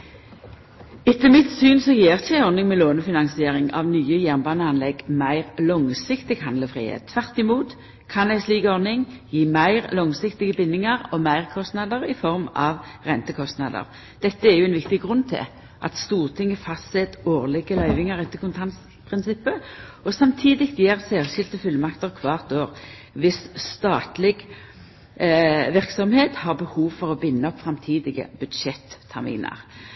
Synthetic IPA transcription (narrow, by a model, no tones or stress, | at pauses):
ɛt̪ːəmɪt̪syːnsɔjeːʁçəæɪɔʁnɪŋmɛloːnəfɪnɑŋsɪeːʁɪŋɑ̰ʋnyːəjæʁnbɑnəɑnlɛɡmæɪʁlɔŋsɪkt̪ɪɡhɑnd̪ləfʁḭːhḛt̪̚t̪ʰːʋæʁt̪ɪmuːt̪ | kʰɑnæɪsliːɡəɔʁnɪŋjiːmæɪʁlɔŋsɪkt̪ɪɡəbɪnːɪŋɑʁɔmæɪʁkʰɔst̪nɑd̪əʁɪfɔʁmɑʋʁɛnt̪əkʰɔst̪nɑd̪ə̰ʁ | d̪̥ɛt̪ːəɛʁjʊɛnʋɪkt̪ɪɡʁʉnːt̪ʰɪ̰ | ʔɑ̰t̪st̪uːʁt̪ʰɪŋːəfɑssɛt̪oːʁlɪɡəlœʏʋɪŋəʁɛt̪ːəkʊnt̪ʰɑns | pʰʁɪnsɪpːəɔsɑmt̪ʰiːd̪ɪkt̪jeːʁsæːʁʃɪlt̪əfʉlːmɑkt̪əʁkʰʋɑːʁt̪oːʁ | ʋɪsst̪ɑːt̪lɪɡ | ʋɪʁksɔmheːt̪hɑʁbəhuːʋfɔʁɔbɪnːəɔpfʁɑmt̪ʰiːd̪ɪɡə̰bʉd̪ʃɛt̪ʰːæʁmḭːnə̰ʁ